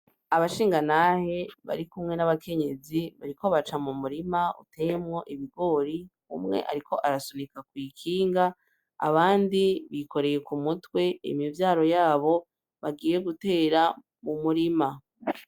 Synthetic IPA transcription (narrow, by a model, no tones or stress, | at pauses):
aβaʃiːŋɡanahe̞βa̰ɾikumŋe̞naβakʰe̞ɲe̞ziβa̰ɾiko̞βat͡ʃamumuɾimaṵtejemŋo̞ʔiβiɡo̞ɾi | ṵmŋe̞̰ʔa̰ɾiko̞ʔaɾasonikakwiːkʰiːŋɡa̰ː | βaːndiβikʰo̞ɾe̞je̞kumutwe̞ḭmivjaːɾo̞jaːβo̞ | βaɡiːje̞ɡute̞ːɾa | mumuɾima